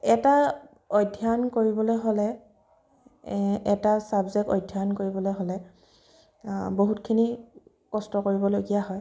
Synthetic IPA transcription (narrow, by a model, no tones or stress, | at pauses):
ɛta | ɔjdʱːjankoɹibɔlojɦolɛ | ɛtasabzɛk̚tɔ̰jdʱːjankoɹibɔlojɦolɛ | boɦutkʰini | kɔstɔkoɹibɔloɡijaɦɔj